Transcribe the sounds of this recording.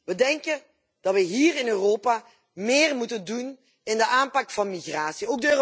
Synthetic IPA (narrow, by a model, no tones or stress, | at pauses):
ʋədɛŋkə | d̥ɑtʋəɦiːrɪnøːroːpa | mɪːrmutəndun | ɪndəʔaːnpɑkfɑnmiɣraːsioːɡ̚dəøːr